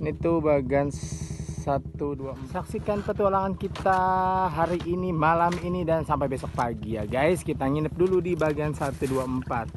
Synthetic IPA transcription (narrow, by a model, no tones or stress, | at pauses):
nit̪ubaɡanssat̪uduasaksikanpət̪ualaŋankit̪aɦaɾiʔːnimalaminidansampajbesɔk̚paɡijaɡajskit̪aŋinəp̚duludibaɡansat̪uduaəmpat̪̚